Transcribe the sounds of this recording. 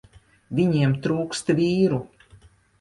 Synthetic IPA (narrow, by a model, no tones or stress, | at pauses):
vʲiɲiɛmt̪ɾuːkst̪vʲiːɾu